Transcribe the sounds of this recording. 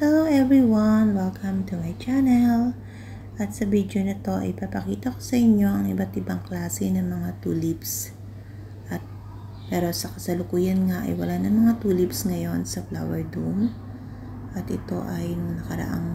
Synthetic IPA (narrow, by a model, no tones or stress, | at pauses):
soʔɛviwɐnwɛlkʰɐ̃mt̪umajt͡ʃanɛl | ʔɐt̪̚sɐbid̪onɐt̪o̞ʔɐ̰jpɐpɐkiːt̪ɐko̥sɐʔɪɲjo̞ʔɐŋɪbɐt̪ʔɪbɐŋklaːsɪnɐmɐŋat̪ṵːlips | ʔɐt̪̚ | pɛːɾo̞sɐkɐsɐlʊkuːjɐnŋaʔɐ̰jwɐlanɐŋmɐŋat̪uːlipsŋɐjo̞nsɐfla̰wɛɹd̪um | ʔɐt̪ʔɪt̪o̞ʔɐjnɐkɐɾɐ̰ʔa̰ŋ